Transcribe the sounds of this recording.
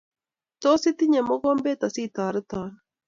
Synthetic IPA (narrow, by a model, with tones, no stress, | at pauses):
t̪ɔ˦si˦t̪i˦ɲɛ˨mɔ˦ɣɔ˦mbɛ˦t̪a˨si˦t̪aː˨ɾɨ˦t̪a˨n